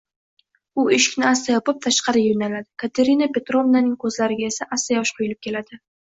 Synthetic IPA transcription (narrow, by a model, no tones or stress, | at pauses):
ʊɪʃɪ̥kʲnɪast̪ajɒpɪp̚t̪ʰaʃqɑɾɪjonalad̪ɪkʰat̪ʰe̞ɾinape̞t̪ɾo̞vnanɪŋkʰɵzlaɾɪɡʲaesaʔast̪ajɒʃqʰojɪlɪp̚kʲʰe̞lad̪ɪ